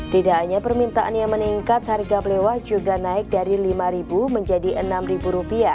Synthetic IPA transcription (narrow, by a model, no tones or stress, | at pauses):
t̪idaʔɲapərmint̪aʔanjaŋməniŋkat̪harɡaplewahd͡ʒuɡanaɪk̚daɾilimaɾibuməɲd͡ʒadiʔənamribuɾupia